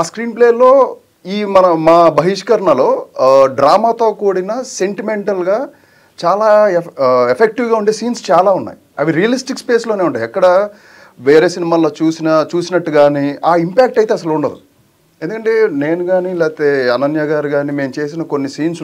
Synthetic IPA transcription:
aːskɾiːnpleːlo̞ː | iːmɐnɐmaːbʱɐɦiʂkɐɾɐɳɐlo̞ːɖɾaːmaːt̪o̞ːkoːɽinɐse̞ɳʈime̞ɳʈɐlɡaː | t͡ʃaːlaː | epʰek̚ʈiwɡaːuɳʈe̞ːsiːnst͡ʃaːlaːunːa̰ːjiɐʋiɾijɐlisʈikspe̞ːslo̞ːneːuɳʈaːjɛkːɐɽɐ | ʋeːɾeːsinimaːloːt͡ʃuːsinɐt͡ʃuːsinɐʈːuɡaːniaːimpaːk̚ʈɐjt̪eːɐs̬ɐluɳɖɐd̪u | end̪ukɐɳʈe̞ːne̞ːnuɡaːnilɛːt̪eɐnɐnjɐɡaːɾiɡaːniːme̞ːmut͡ʃe̞ːs̬inɐkonːisiːnsu

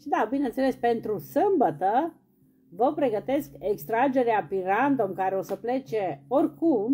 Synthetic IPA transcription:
id̪abine̞nsele̞spe̞nt̪ɾusɨmbət̪ə | vəpɾe̞ɡət̪e̞skekst̪ɾad͡ʒe̞ɾeapiɾand̪omkaɾeosəple̞t͡ʃe̞orʲkum

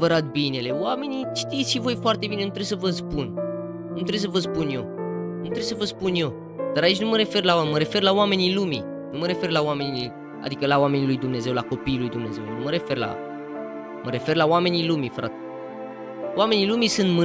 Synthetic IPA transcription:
vəɾat̪̚bine̞le̞wame̞nit͡ʃt̪ij̪sʃivo̞jfoart̪ebine̞nut̪ɾe̞wsəvəspun | nut̪ɾe̞js̬əvəspunjo̞nut̪ɾe̞wsəvəspunjo̞ | d̪̥aɾait͡ʃʲnuməɾe̞fe̞rlaaməɾe̞fe̞rlawame̞nilumḭ | numəɾe̞fe̞rlawame̞nii | a̰d̪ikəlaoame̞nilujd̪umne̞ze̞wlako̞pijːlujd̪umne̞̰ze̞wnnuməɾe̞fe̞rla̰ | məɾe̞fe̞rlawame̞nilumifɾa̰t̪ | wame̞nilumisɨnt̪mɨ

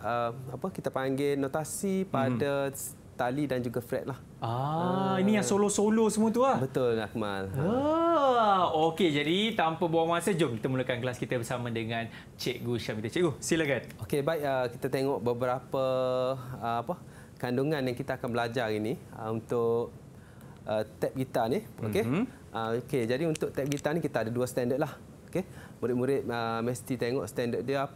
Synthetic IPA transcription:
əmapəkit̪əpaŋɡenot̪asipada | t̪alidand͡ʒuɡafɾɛ̰t̪̚lah | ainijaŋsolosolosəmuət̪uabət̪ʊlak̚ma̰lə | oked͡ʒadit̪ampabaaŋmasəd͡ʒʊmkit̪əmulakanklaskit̪əbəsamãdəŋãn | t͡ʃɛʔ̚ɡuʃamit̪at͡ʃɛʔɡusiləɡat̪̚okebaɪʔəkit̪at̪eŋɔʔbəbəɾapə | əapə | kanduŋãnjaŋkit̪aːkanbəlad͡ʒaɾinĩə̰unt̪ʊʔ̚ | ʔət̪ɛp̚ɡit̪anio̰ke | ʔəoked͡ʒadiunt̪ʊʔ̚t̪ɛp̚ɡit̪anĩkit̪aːdaduəst̪ɛndət̪̚lah | oke | muɾɪt̪̚muɾɪt̪̚əmɛst̪it̪eŋɔʔst̪ɛndət̪̚diəap

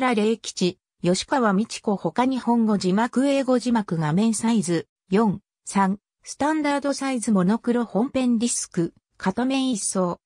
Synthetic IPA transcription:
ɾaɾe̞kʲi̥t͡ɕi | jo̞ɕi̥kaβamʲit͡ɕi̥ko̞ho̞kaɲ̟ihõ̞ŋɡo̞ʑimakɯ̟e̞ːɡo̞ʑimakɯ̟ɡamẽ̞ɰ̃saizɨ | jõ̞ŋ | sãŋ | sɨ̥t̪ãnd̪aːd̪o̞saizɨmo̞no̞kɯ̟ɾo̞hõ̞mpẽ̞nɾʲisɨ̥kɯ̟ | kʰat̪omẽ̞ɰ̃iso̞ː

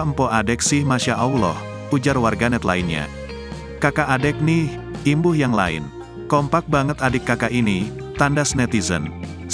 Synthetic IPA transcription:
mpɔʔadɛk̚sɪhmaʃaʔaulɔ̰h | ud͡ʒarwarɡanɛt̪la̰inɲa̰ | kakaːdɛk̚nih | imbʊhjaŋla̰ɪ̰n | kɔmpak̚baŋət̪adɪkːakaʔini | t̪andasnɛt̪izə̰n

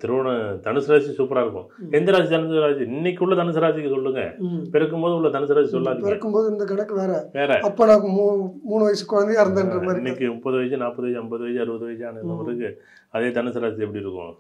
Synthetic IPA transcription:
t̪ɪɾɯʋɐɳɐt̪ɐɳɯsɯɾaːssuːpːɐɾaːɪɾɯkːʊ̰̃ | ɛnd̪ɐɾaːst̪ɐnɯsɾaːt͡ʃɯɪnːɛk̬ʲːʊɭːɐt̪ɐnɯsɐɾaːsɪkːɯsɔlːɯŋɡɐ̰pɛɾɐk̬ːɯmpoːðɯʊɭːɐt̪ɐnɯs̬ɐɾaːsisɔlːaːt̪ɪpɛɾɐkːɯmpoːðɯɪnd̪ɐɡɐɳɐkːɯʋeːɾɛʋeːɾɛɐpːoːnãːmuːmuːnɯʋɐjsɯ̥kʊɻɐnd̪ɐjːɪɾɯnd̪aːndrɐmaːɾnːɛk̬ʲːɯʊpːɐðɯʋɐjsɯnaːpːɐðɯɐjsɯɐmbɐðɯʋɐjsɯɐɾɯbɐðɯʋɐjɐsɯaːnɯnd̪ɐmɐɾɯkːɯ | ɐðeːt̪ɐɳɯsɐɾaːsɪɛpːɐɽiɪɾɯkːʊ̰̃

